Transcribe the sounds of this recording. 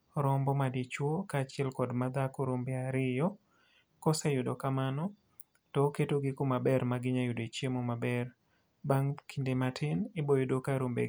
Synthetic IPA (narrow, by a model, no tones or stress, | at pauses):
ɾɔmbɔmadit͡ʃwokat͡ʃɪɛlkɔdmad̪akoɾombɪaɾɪjɔ | kɔsajʊdokamanɔ | tɔketoɡɪkomabɛrmaɡɪɲajʊdet͡ʃjemomabɛr | baŋkʰindematʰɪnɪbojʊdokaɾombḛ